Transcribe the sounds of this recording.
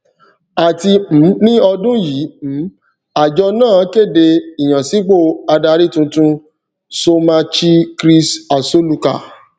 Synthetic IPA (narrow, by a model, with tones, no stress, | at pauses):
a˨ti˧m̩˨˦nĩ˦ɔ˧dũ˦ji˨˦m̩˨˦ | a˨d͡ʒɔ˧˦nãː˦˨˦ke˦˨de˧i˨j̃ã˨si˨˦k͡po˦˨a˧da˧ɾi˦˨tũ˧tũ˦ | so˧mã˧t͡ʃi˦kɾi˦sa˨so˦lu˧ka̰˦˨